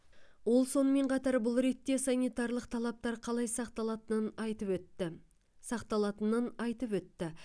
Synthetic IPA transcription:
wo̞lˠso̞nəme̞ɴqʰɑt̪ɑɾbʊlˠɾe̞t̪ːe̞sanʲijt̪ɑɾlˠəqt̪ʰɑlˠɑp̚t̪ɑɾqʰɑlˠɑjsɑqt̪ɑɑt̪ənənɑjt̪əp | sɑqt̪ɑlˠɑt̪ənənɑjt̪əpwɵt̪ːɪ

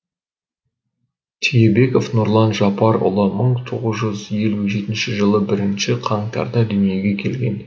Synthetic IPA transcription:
t̪ʰijebe̞ko̞fnʊɾlˠɑnʒɑpɑɾʊ̰lˠəməɴt̪ʰoʁəzʒʏzje̞luʒe̞t̪ɪnʃɪʒəlˠəbɪɾɪnʃɪqʰɑɴt̪ʰɑ̰ɾd̪ɑd̪ʏnije̞ɡʲe̞kʲʰe̞lɡʲe̞n

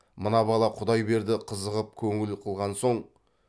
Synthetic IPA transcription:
mənɑbɑlˠɑqʰʊd̪ɑjbe̞ɾd̪ɪqʰəzəʁəp̚kʲʰɵŋɪlqʰəlˠʁɑnso̞ɴ

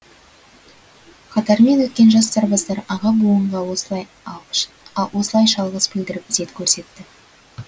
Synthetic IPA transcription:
qʰɑt̪ɑɾme̞nwɵt̪̚kʲe̞nʒɑst̪ɑɾbɑsd̪ɑɾɑʁɑbulˠəɴʁɑɑj | wo̞səlˠɑjʃɑlˠʁəzbɪld̪ɪɾɪp̚zet̪kʲʰɵɾse̞t̪ːɪ

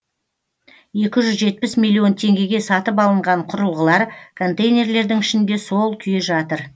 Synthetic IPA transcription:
je̞kʲɪʒʏzʒe̞t̪̚pɪsmʲilʲˠːio̞nt̪ʰe̞ŋɡʲe̞ɡʲe̞sɑt̪əp̬ɑlˠəɴʁɑɴqʰʊɾəlˠʁəlˠɑɾkʰo̞nt̪ejnʲe̞ɾle̞ɾd̪ɪŋɪʃɪnd̪e̞so̞lˠkʲʰʏjeʒɑt̪əɾ

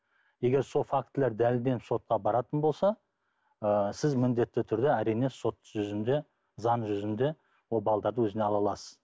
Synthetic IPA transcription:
je̞ɡʲe̞ɾso̞lˠfak̚t̪ːleɾd̪ælɪlb̪e̞nɪpso̞t̪̚qɑbɑɾɑt̪ənbo̞lˠsɑ | əsɪzmɪnd̪e̞t̪ːɪt̪ʰʏɾd̪eæɾijne̞so̞t̪ʒʏzɪnd̪e̞ | zɑnʒʏzɪnd̪e̞ | wo̞lˠbɑlˠd̪ɑɾd̪əwɵzɪneɑlˠɑlˠɑsə̥z̥

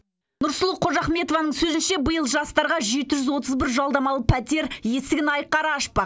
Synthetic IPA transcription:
nʊɾsʊlˠəqʰoʒɑχme̞t̪ovɑnəɴsɵzɪnʃe̞bəjəlˠʒɑst̪ɑɾʁɑʒe̞t̪ɪʒʏzwo̞t̪əzbɪɾʒɑlˠd̪ɑmɑlˠəpʰæt̪ʲe̞ɾje̞st̪ɪɡʲɪnɑjqːɑɾɑɑʃpə

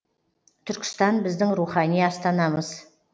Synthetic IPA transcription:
t̪ʰʏɾkʲɪ̥st̪ɑnbɪzd̪ɪŋɾuχɑnijɑst̪ɑnɑməz̥

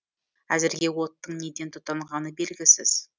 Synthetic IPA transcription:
æzɪɾɡʲe̞wo̞t̪ːəɴne̞d̪e̞nt̪ʰʊt̪ːɑɴʁɑnəbe̞lɡʲɪsɪz̥

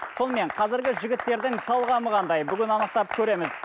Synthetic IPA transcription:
so̞nəme̞ɴqʰɑzɪɾɡʲɪʒɪɡʲɪt̪ːe̞ɾd̪ɪŋt̪ʰɑlˠʁɑməʁɑnd̪ɑjbʏɡʲɪnɑnəq̚t̪ɑp̚kʲʰɵɾe̞mɪz

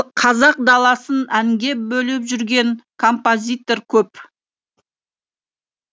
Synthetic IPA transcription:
qʰɑzɑq̚d̪ɑlˠɑsənæŋɡʲe̞bɵlɪpʒʏɾɡʲe̞ŋkʰo̞mpo̞zʲijt̪o̞ɾkʲʰɵp

